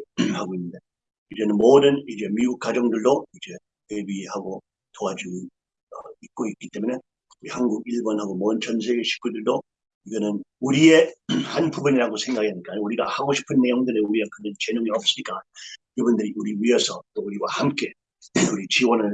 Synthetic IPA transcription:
haɡoinːɯnde̞ | id͡ʑe̞nɯnmʌdɯnid͡ʑe̞miɡuk̚k͈ad͡ʑʌŋdɯɭdoid͡ʑe̞ | we̞bihaɡo | toad͡ʑuɡ | ʌ̰ik̚k͈oik͈it͈e̞mune̞ | uɾihanɡuɡiɭbʌnɦaɡomʌdɯnt͡ɕʌns̬ʰe̞ɡe̞ɕʰi̥k͈udɯɭdo | iɡʌnɯnuɾie̞hanpubuniɾaɡosʰe̞ŋɡaɡiaɲik͈aɲouɾiɡahaɡoɕʰi̥pʰɯnːe̞joŋdɯɾeuɾiɡakɯnʌnt͡ɕe̞numiʌp̚s͈ɯmɲik͈akɯbundɯɾiuɾiɥiɦesʰʌt͈ouɾiwahamk͈e̞ | uɾit͡ɕiwʌnɯɭ

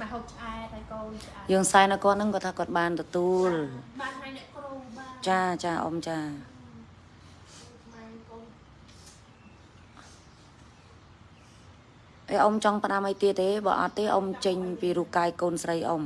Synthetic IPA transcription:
məɦoːp̚t͡ɕʔaɛt̚hakoː | jəːŋsaɛnɨwkŏət̪̚nɨŋkot̪ʰaːkŏət̪̚ɓaːnt̪ɔt̪uəlaanɛʔkroŋt͡ɕaːt͡ɕaːʔo̰mt͡ɕaː | ʔəʔomt͡ɕɑŋpə̆ɗaməjt̪iət̪̚ːeːɓɑ̰ːʔɑ̰t̪ːeːʔo̰mt͡ɕəɲpiːɾuːp̚kaːjkoːnsrəjʔo̰m

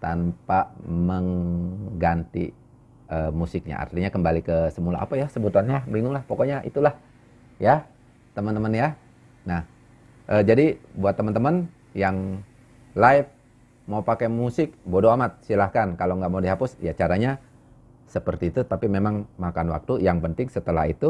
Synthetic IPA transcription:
t̪ampaməŋɡant̪ḭ | əmusɪk̚ɲa̰ʔa̰rt̪iɲakəmbalikəsəmula̰ʔa̰pajasəbut̪uanɲabiŋʊŋlahpokɔɲaʔḭt̪ulah | ja | t̪əmənt̪əmənja | nah | ʔəd͡ʒadibuat̪ːəmənt̪əmən | jaŋ | laɪf̚ | maupakɛmusɪk̚bodoamat̪̚silahkankalaŋɡaʔmaudiɦapʊsja̰t͡ʃaɾaɲa | səpərt̪iːt̪ut̪apimemaŋmakanwa̰k̚t̪ujaŋpənt̪ɪŋsət̪əla̰ɦit̪u

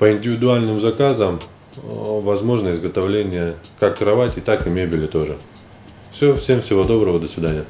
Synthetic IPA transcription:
pəɪnʲdʲɪvʲɪd̪ʊalʲnɨmzɐkazəm | vɐzmo̞ʐnəɪzɡət̪ɐvlʲenʲɪjəkakːɾɐvatʲɪt̪akɪmʲebʲɪlʲɪt̪o̞ʐɨ | fsʲofsʲe̞mfsʲɪvo̞d̪o̞bɾəvəd̪əsvʲɪd̪anʲɪjə

